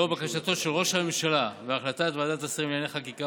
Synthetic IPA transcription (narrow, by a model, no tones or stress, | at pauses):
obakaʃat̪o̞ʃe̞lʁo̞ʃhame̞mʃalaveaχlat̪at̪vad̪at̪asimiljaneχakika